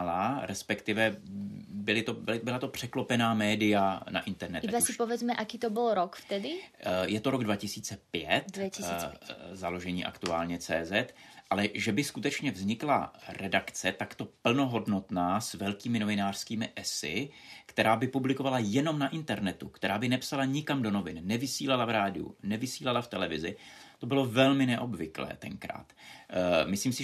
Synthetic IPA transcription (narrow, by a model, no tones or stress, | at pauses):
laɾɛspɛkt̪ɪvɛ | bɪlɪt̪obɪlbɪlat̪o̞pr̝̥ɛklo̞pɛnaːmɛːdɪjana̰ʔɪnt̪ɛɾnɛt̪basɪpovɛd͡zmɛʔakiːt̪obilɾokft̪ɛdɪjɛt̪oɾoɡdvacɪsiːt͡sɛpjɛt̪ | zalo̞ʒɛɲiːʔa̰kt̪uaːlɲɛt͡sɛ̰ːzɛt̪ʔalɛʒɛbɪskut̪ɛt͡ʃɲɛvzɲɪkla̰ɾɛdakt͡sɛt̪akt̪o̞pl̩no̞ɦo̞dno̞t̪naːsvɛlkiːmɪno̞vɪnaːr̥skiːmɪʔɛsɪ̰ | kt̪ɛɾaːbɪpublɪko̞valajɛno̞mnaʔɪnt̪ɛɾnɛt̪ukt̪ɛɾaːbɪnɛpsalaɲɪkamdo̞no̞vɪnnɛvɪsiːlalavɾaːdɪjṵnɛvɪsiːlalaft̪ɛlɛvɪzɪt̪o̞bɪlo̞vɛlmɪnɛʔo̞bvɪklɛ̰ːt̪ɛŋkɾa̰ːt̪ | mɪsliːmsɪ